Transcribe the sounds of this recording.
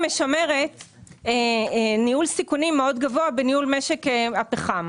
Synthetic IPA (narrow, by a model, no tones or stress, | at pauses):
meʃame̞ʁe̞t | eniulsikunimːeo̞dɡavoabeniulmeʃekeapeχam